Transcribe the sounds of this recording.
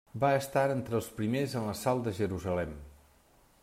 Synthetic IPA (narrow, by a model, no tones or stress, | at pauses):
baəst̪aɾənt̪ɾəlˠspɾimezənləsalˠd̪əʒəɾuzəlɛm